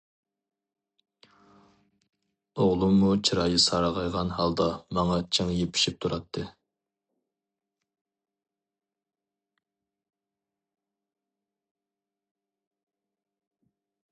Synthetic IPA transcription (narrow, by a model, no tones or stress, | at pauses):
oʁlˠumːut͡ʃʰiɾɑːjɨsɑɾɑʁɑjʁɑnɦɑlˠd̪ɑmɑŋɑt͡ʃʰeŋjepʰɪ̥ʃip̚t̪ʰuɾɑt̪ʰːɨ